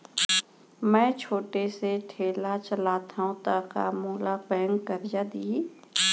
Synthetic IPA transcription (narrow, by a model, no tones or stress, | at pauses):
mɛ̃ːt͡ʃʰoːʈeseʈʰeːlat͡ʃəlaːt̪ʰaõt̪aka̰ːmoːlabɛːəŋkːəɾd͡ʒad̪i